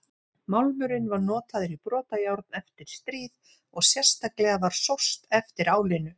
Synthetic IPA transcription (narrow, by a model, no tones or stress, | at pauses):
mawlmʏɾɪnvaɾnɔːt̪aðɪɾipɾɔːt̪ajawɾt̪̚nɛft̪ɪɾ̥st̪ɾiːð | ɔɣsjɛr̥st̪aklɛɣavaɾ̥sowst̪ɛft̪ɪɾaːwlɪnʏ